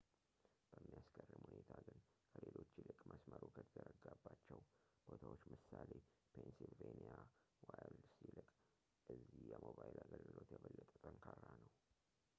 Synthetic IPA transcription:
b̥əmːijaskʰərːɨmhune̞t̪ʰaɡɨn | kʰəlelo̞t͡ʃːilɨkʼmʔəsməɾokʰət̪ʰəɾəɡabːat͡ʃːɛw | b̥ot̪ʰawot͡ʃːmɨsale | pʰensilvenija | walsilɨkʼ | ʔɨzːijɛmoβajilaɡəlɡɨlo̞t̪jɛβəlːət̪ʼət̪ʼəŋkʰarːanəw

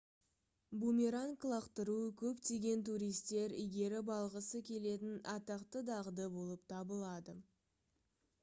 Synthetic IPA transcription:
bumʲiɾaŋklˠɑqt̪əɾuəkʲʰɵpt̪ʰe̞ɡʲe̞nt̪uɾijst̪e̞ɾijɡʲe̞ɾɪbɑlˠʁəsəkʲʰe̞le̞t̪ɪnɑt̪ɑqt̪əd̪ɑʁəd̪əbo̞lˠəp̚t̪ʰɑbəlˠɑd̪ə

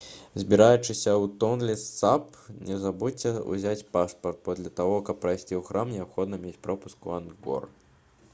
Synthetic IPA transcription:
zʲbʲiɾajut͡ʂɨsʲɐut̪ɔnlʲɛsap | nʲɛzabut͡sʲːɛṵzʲat͡sʲpaʂpɐrt̪̚pɔd̪lʲɐt̪aɣɔkɐpːɾɐjsʲt͡sʲiuwxɾʔamnʲɛapxɔd̪nɐmʲet͡sʲpɾɔpu̥skuanɡɔ̰r

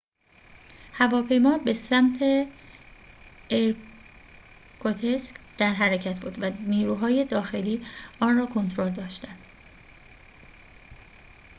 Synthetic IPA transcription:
hævɒːpʰe̞jmɒːbe̞sæmt̪ʰe̞ | eɾ | kʰot̪ʰesk | d̪̥æɾɦæɾecʰæt̪ʰbuːd̪væniːɾuːɦɒːje̞d̪ɒːxe̞liːɒːnrɒːkʰo̞nt̪ʰɾo̞ld̪ɒːʃt̪ænd̪̥

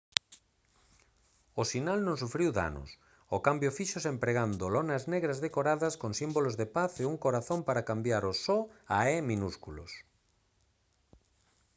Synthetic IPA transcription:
osinalnõŋsufɾiwða̰nʊ̰s | okambjofiʃosempɾeɣand̪olɔnazneɣɾazðekoɾaðɐskoŋsimbolozðepaθeuŋkoɾaθompaɾakambjaɾosɔaɛmĩnuskulo̰s

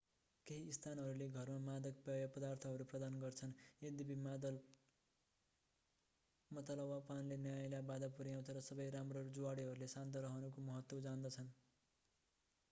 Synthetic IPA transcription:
keɦiːst̪ʰanɦʌɾuleɡʱʌrmamad̪ʌk̚pʌjʌpʌd̪art̪ʰʌɦʌɾuprʌd̪anɡʌrt͡sʰʌned̪ibimad̪ʌl | mʌt̪alʌwapanlenjajlabad̪apuɾijaw̃t͡sʰʌɾʌsʌbʌjɾamrʌd͡zuwaɽiɦʌɾulesant̪̬ʌɾʌɦʌnukomʌɦʌt̪wʌd͡zand̪ʌt͡sʰʌn

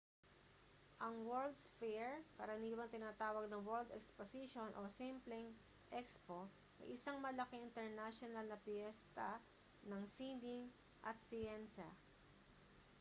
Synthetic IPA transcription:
ʔɐŋwɛɹld̪sfɛɹkɐɾɐniːwɐŋt̪ɪnaːt̪aːwɐɡ̚nɐŋwɛld̪ɛ̰ksposiʃonʔosimplɪŋ | ʔɛkspo | ʔɐ̰jʔɪsaŋmɐlɐkɛʔɪnt̪ɛɹnaʃonɐlnɐpjɛst̪ɐ | nɐŋsiniŋ | ʔɐ̰t̪̚sɪjɛnsɐ

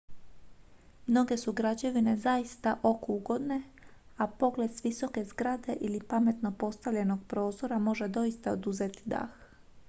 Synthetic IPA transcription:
mno̞ɡe̞suɡɾad͡ʑeʋine̞zaist̪aʔo̞kuuɡo̞d̪ne̞ | apo̞ɡle̞d̪sʋiso̞ke̞zɡɾad̪e̞ʔilipame̞t̪no̞po̞st̪aʋʎe̞no̞ɡ̚pɾo̞ːzo̞ɾamo̞ʒe̞d̪o̞ist̪aod̪uzet̪i̥d̪a̰x

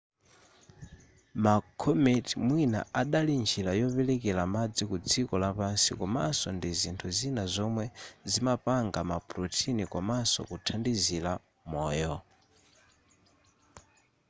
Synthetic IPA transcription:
makʰɔmɛtimwina̰aɗalind͡ʒʰilajɔpɛlɛkɛlamad͡zikud͡zikɔlapansikɔmasɔndizintʰuzinazɔmwɛzimapaŋɡamapɾutʰinikɔmasɔ̰kutʰandizila | mɔːjɔ

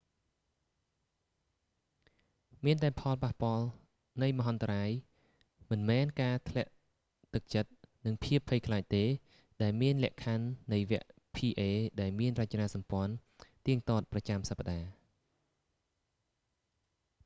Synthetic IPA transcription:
miənt̪aɛpʰɑlpahpŏəl | nɨjməɦɑnt̪raːj | mɨnmɛːnkaːt̪ʰlɛ̆əʔ | t̪ɨk̚t͡ɕət̪̚nɨŋpʰiəpʰːəjkʰlaːc̚t̪eː | ɗaɛlmiənlɛ̆əʔkʰanːɨjʋɛ̆əʔ | pʰiːʔeːɗaɛlmiənrac̚t͡ɕnaːsɑmpŏənt̪iəŋt̪oːt̪̚prɑt͡ɕamsapːaɗaː

